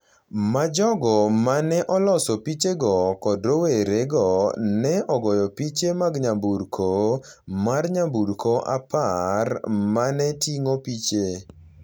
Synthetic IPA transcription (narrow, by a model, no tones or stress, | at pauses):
mad͡ʒɔɡɔmanɛʔɔlɔsɔpit͡ʃeɡɔkɔdɾoweɾeɡɔnɛʔɔɡɔjɔpit͡ʃemaɡɲambuɾkʰo | marɲambuɾkoʔa̰parmanɛtiŋopit͡ʃe